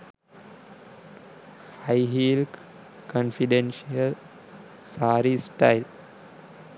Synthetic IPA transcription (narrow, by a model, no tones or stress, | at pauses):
haɪɦiːlk | kənfiɖenʃiəl | saːɾisʈaɪl